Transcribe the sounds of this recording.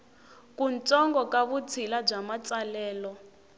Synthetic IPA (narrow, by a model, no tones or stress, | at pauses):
kʼunt͡sʼɔŋɡɔkʼaβut͡sʰilab͡ʐamat͡sʼalɛːlɔ